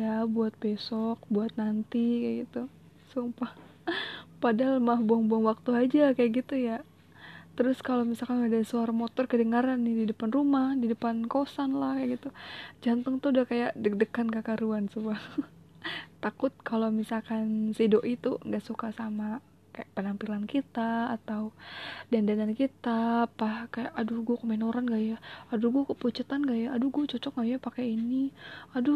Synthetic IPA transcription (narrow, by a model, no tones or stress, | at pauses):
jabuat̪̚besɔk̚buat̪̚nant̪ikajɡit̪u | suŋpah | padaɦalmahbuaŋbaŋwak̚t̪uad͡ʒakajaʔɡit̪uja | t̪əɾʊskalomisalkanadasuaɾamot̪ɔrkədəŋaɾanːɪdidəpanrumahdidəpankosanlahkajaʔɡit̪ud͡ʒant̪əŋt̪udahkajaʔdədəkankəkaɾuansuba | t̪akʊt̪̚kalomisalkansidoʔit̪uŋɡaʔsukasama | kajapənampilankit̪aːt̪audandanankit̪apahkajaʔaduɡuakomenoɾanɡajaːduɡuakəput͡ʃət̪anɡajaʔːduɡuat͡ʃɔt͡ʃɔk̚ŋɡajapakainiadu